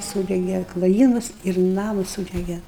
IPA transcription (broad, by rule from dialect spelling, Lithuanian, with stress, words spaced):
ˈsuːdʲɛɡʲɛ klˠoːˈjiːmʊs ɪr ˈnɑːmʊs ˈsuːdʲɛɡʲɛ